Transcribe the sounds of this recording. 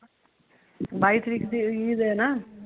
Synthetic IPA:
bajt̪ɾikd̪iid̪ena

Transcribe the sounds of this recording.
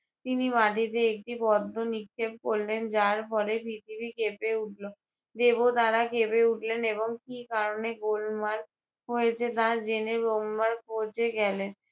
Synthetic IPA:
t̪inimaʈit̪eek̚ʈibɔd̪ʱːonikʰːeb̚koɾlend͡ʑaɾpɔɾebiʈibikepeuʈlo | d̪ebot̪aɾakepeuʈleneβoŋkikaɾoneɡolmaɾ | ɦoet͡ɕʰet̪ad͡ʑeneɾomːaɾkʰot͡ɕʰeɡɛlen

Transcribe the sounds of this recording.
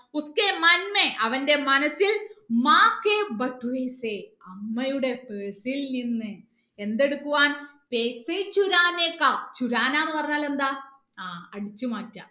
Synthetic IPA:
uskemɐnmeʔɐʋɐnde̞mɐnɐsːilmaːkːeːbɐʈːuʋeːseɐmːɐjuɽe̞peːsilninːɨ | e̞nd̪e̞ɽukːuʋaːn | peːset͡ɕuɾaːnekːat͡ɕuɾaːnaːnːɨpɐrɐɲːaːle̞nd̪aː | aːɐɽit͡ɕːɨmaːtːɐ

